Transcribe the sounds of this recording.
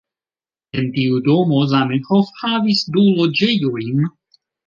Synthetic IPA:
entiudomozamenxofhavisdulod͡ʒejojn

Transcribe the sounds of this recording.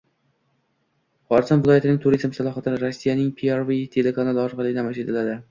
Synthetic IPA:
χɒɾsɒnvɪlˠɒjat̪ɪnɪŋʲt̪ʰʊɾizmsalˠɒɦat̪ʰɪnɪɾosːijanɪŋpʰiaɾvit̪ʰe̞lekʰanalɪɒɾqʰɑlˠɪd̪amaʃet̪ʰɪlad̪ɪ

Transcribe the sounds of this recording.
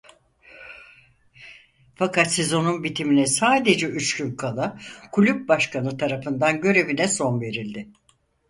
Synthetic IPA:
fakat̪se̞zo̞nunbit̪ʰiminɛsaːd̪e̞d͡ʒɛyt͡ʃcynkʰalˠakʰulʲyp̚baʃkʰanɯt̪ʰaɾafɯnd̪anɟø̞ɾe̞vinɛso̞nve̞ɾilʲd̪ɪ

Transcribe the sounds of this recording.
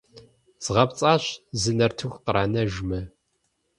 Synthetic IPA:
z̥ʁɐpt͡sʼaːɕzɨnɐrtʰɨxʷqəɾaːnɐʒmɨ

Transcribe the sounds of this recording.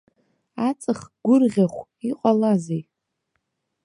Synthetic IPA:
at͡sʼɨχɡ̥ʷʊrʁʲaχʷiqʼalazej

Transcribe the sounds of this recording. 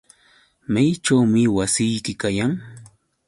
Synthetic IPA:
majt͡ʃawmɪwasɪjkɪkajaŋ

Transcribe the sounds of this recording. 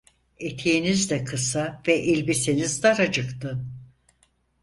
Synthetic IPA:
et̪ʰijinizd̪ɛkʰɯsavɛʔilʲbisinizd̪aɾad͡ʒɯkt̪ɯ

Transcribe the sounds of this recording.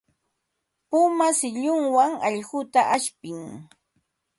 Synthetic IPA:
pʊmasɪʎʊŋwaŋɑʎɢʊt̪aʔaʃpɪŋ

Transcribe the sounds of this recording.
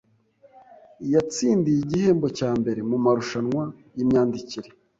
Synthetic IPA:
jat͡siːndijiɟihe̞ːmbo̞caːmbe̞ɾe̞mumaɾuʃanŋwajimɲaːndiciɾe

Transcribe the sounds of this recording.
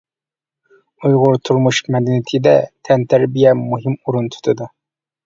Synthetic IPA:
ujʁʊɾt̪ʰuɾmuʃmɛd̪ɛnɪt̪ʰɪd̪ɛ̰t̪ʰɛnt̪ʰæɾbijɛmuɦimuɾunt̪ʰu̥t̪ʰɨd̪u

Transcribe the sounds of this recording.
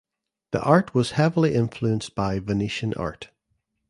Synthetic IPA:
ðḭʔaɹʔwɔz̥hɛvəl̩ˠiʔɪ̃ɱflˠʉə̃nsb̥aɪvəniʃə̃nʔa̰ɹʔ

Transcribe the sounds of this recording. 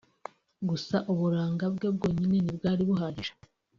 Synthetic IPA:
ɡusaʔuβuɾaːŋɡabɡe̞bɡo̞ːɲine̞nibɡaːɾiβuɦaɾi

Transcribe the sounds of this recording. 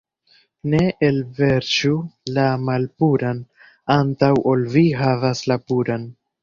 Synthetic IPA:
ne̞ʔelve̞ɾt͡ʃulamalpuɾan | antawʔo̞lviɦavaslapuɾan

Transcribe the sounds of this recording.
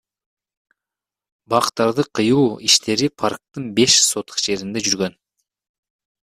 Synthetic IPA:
bɑqt̪ːɑɾd̪ɯqʰɯjuːiʃt̪ʰe̞ɾipʰaɾk̚t̪ɯnbe̞ʃso̞t̪ʰu̥qd͡ʒe̞ɾind̪ed͡ʒyɾɡøn

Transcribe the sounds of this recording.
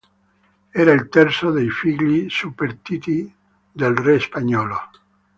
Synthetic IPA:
ɛːɾailt̪ɛɾt̪sod̪ejfiɡʎisupːeɾt̪iːt̪i | d̪elrespaɲːɔːlo

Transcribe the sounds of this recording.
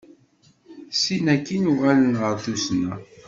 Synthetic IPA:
sinækːinʊʁalənʁəɾθusnæ

